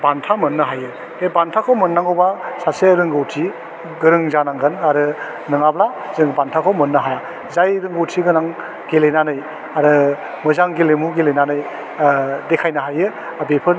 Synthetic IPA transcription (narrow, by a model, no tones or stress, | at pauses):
bantʰamɯnːɯɦajɯ | ebantʰakʰomɯnːaŋowbasaseɾɯŋɡɯwtʰi | ɡɯɾɯŋzanaŋɡɯnaɾɯ | nɯŋabla | zɯŋbantʰakʰowmɯnːɯɦaja | zajɾɯŋɡɯwtʰiɡɯnaŋ | ɡelenanɯj | aɾɯ | mɯzaŋɡilemuɡelenanɯj | dekʰajnaɦajɯ | abepʰɯl